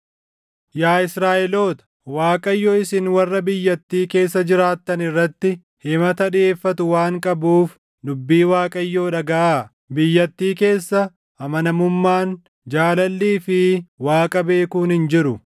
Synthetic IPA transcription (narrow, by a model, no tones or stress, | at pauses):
jaːɪsɾaːʔɛlo̞ːt̪ɐ̥ | waːkʼɐjːoɪsɪnwɐrːɐbɪjːɐt̪ːiːke̞ːsːɐd͡ʒɪɾaːt̪ːɐnɪrːɐt̪ːɪ | hɪmɐt̪ɐᶑeːfːɐt̪ʊwaːŋkʼɐbuːf | dʊbːiːwaːkʼɐjːoːᶑɐɡɐʔaː | bɪjːɐt̪ːiːke̞ːsːɐ | ʔɐmɐnɐmʊmːaːn | d͡ʒaːlɐlːiːfɪwaːkʼɐbe̞ːkuːnhɪnd͡ʒɪɾʊ